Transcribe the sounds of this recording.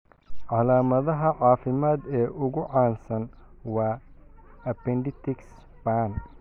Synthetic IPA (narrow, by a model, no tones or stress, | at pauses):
ʕɑlaːmɐðɐɦɐʕɑːfɪmaːd̪ɛːʔʊɣʊʕɑːnsɐn | wɑː | ɐpɛnd̪ɪt̪ʰɪks | baːn